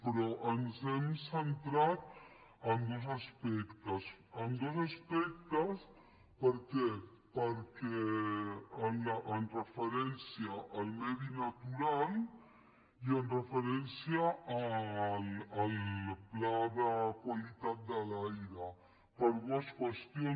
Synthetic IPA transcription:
pɾɔʔənzɛmsənt̪ɾat̪ | ənd̪oz̬aspɛkt̪əsənd̪ozaspɛk̚t̪əs | pəɾkɛ | pəɾkɛ | ənaʔːnrəfəɾɛnsjiaʔːlmɛðinat̪uɾal | iənrəfəɾɛnsjaː | lːlplaðəkwalit̪at̪̚d̪əlajɾə | pəɾβaskwəst̪jo

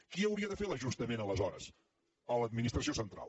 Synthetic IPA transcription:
kiəwɾiəðəfeləʒust̪əmenələzɔɾə̰s | ələd̪̚minist̪ɾəsiosənt̪ɾa̰lˠ

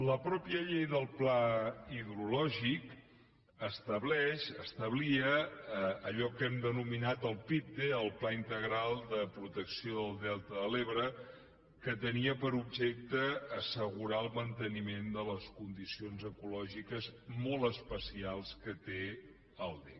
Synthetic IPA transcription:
ləpɾɔpijəʎejðəlˠplaiðɾulɔʒik | əst̪əβlɛʃəst̪əβliə | əʎɔkɛmd̪ənuminat̪əlˠpip̚d̪eəlˠplaint̪əɣɾalˠd̪əpɾut̪əksioðəlˠd̪ɛlˠt̪əðəleβɾə | kət̪əniəpəɾub̚ʒɛk̚t̪əːsəɣuɾaəlˠmənt̪ənimend̪ələskund̪isionzəkulɔʒikəzmɔlˠtəspəsialˠskət̪e | əlˠd̪ɛ̰

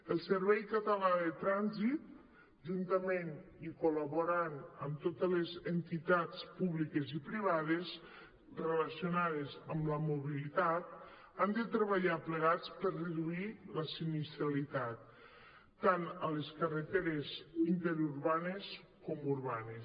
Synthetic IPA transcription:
əlˠsəɾβɛjkət̪əlaðət̪ɾanzit̪̚ | ʒunt̪əmenikolaβoɾanəmt̪ot̪əlezənt̪it̪at͡spuβlikezipɾiβ̞aðez | relasiunaðezəmləmoβilit̪at̪̚ | and̪ət̪ɾəβaʎapləɣ̞at͡spəɾrəðuiləsinist̪ɾalit̪at̪̚ː | anələskərət̪eɾezint̪eɾuɾβanes | kɔmuɾβanes

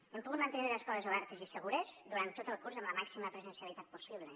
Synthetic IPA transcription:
empuɣut̪mənt̪eniɾləskɔðezuβ̞ɛɾt̪ezisəɣuɾezd̪uɾant̪ːot̪əlˠkuɾzəmləmaksiməpɾəzənsiəlit̪at̪̚pusiβ̞le

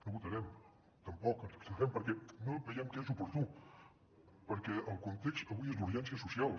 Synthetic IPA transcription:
oβut̪ɐɾɛm | t̪ɐmpɔkə̥st̪aɾɛmpəɾkɛnoβɐjɛmkesupuɾt̪u | pəɾkeəlˠkunt̪eksaβiezuɾʒɛnsjɐsusjalˠ

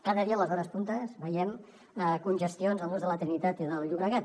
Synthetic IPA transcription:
kaðəðiələzɔɾəspunt̪əzβəjɛm | əkunʲʒəst̪ionzəlˠnonzðələt̪ɾinit̪at̪iðəlʎuβɾəɣat̪̚

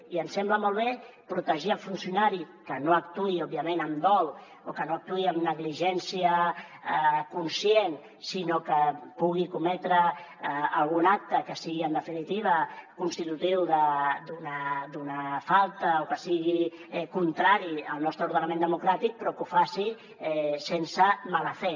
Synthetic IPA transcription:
iənsɛmbləmolˠβ̞e | pɾut̪əʒiəlˠfunsjunaɾi | kənoəkt̪uiɔb̚iəmenəmd̪ɔlˠ | okənoək̚t̪uiəmnəɣliʒɛnsiə | kunsjen | sinokəpuɣ̞ikumɛt̪ɾəː | lˠɣunak̚t̪əkəsiɣiənd̪əfinit̪iβ̞əkunst̪it̪ut̪iwðəd̪unad̪unəfalˠt̪əokəsiɣi | ɛkunt̪ɾaɾiəlˠnɔst̪ɾəuɾð̞ənɐmẽnd̪əmukɾat̪ik̚pɾɔkufasi | ɛsensəmaləfɛ

